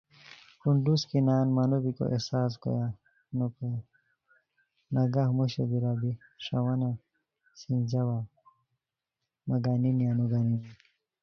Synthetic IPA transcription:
kuɳɖuskinaːnmanobiko̰ʔḛhsaːs̬ko̰ja | nokoja | nɐɡahmoɕed̪iɾabiʂɐwɐna | sind͡ʑawa | mɐɡaːninijanuɡaːnina

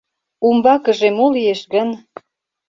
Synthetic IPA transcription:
umbɑkə̆ʒemolieʃɣən

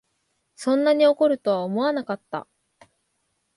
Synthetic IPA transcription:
sõ̞nːaɲ̟ioko̞ɾɯ̟t̪o̞βaomo̞βanakat̪ːa̰

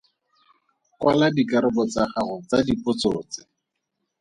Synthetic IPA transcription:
kwaladikaɾɪbɔt͡saχaχʊt͡sadipʊt͡soːt͡sɪ̥

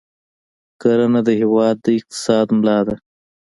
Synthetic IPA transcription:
kaɾanad̪əhɪwɑːd̪ːəɪq̚t̪ɪ̥sɑːd̪mlɑːd̪a

